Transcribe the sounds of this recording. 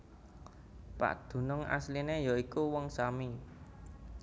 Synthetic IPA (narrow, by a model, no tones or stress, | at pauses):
pa̰ʔd̪̥ṳnɔŋa̰slinejɔikuwɔŋsami